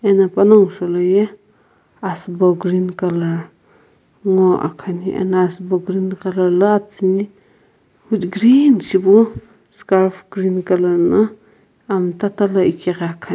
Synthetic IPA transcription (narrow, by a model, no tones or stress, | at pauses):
enapanɔŋsɔlɔje | asbɔɡɾinkalaɾ | ŋɔʔa̰kʰaniʔɛ̰naasbɔɡɾinkalaɾlaatsini | hutɡɾinsibu | skaɾpʰɡɾinkalaɾna | amtatalaikiɣaakʰa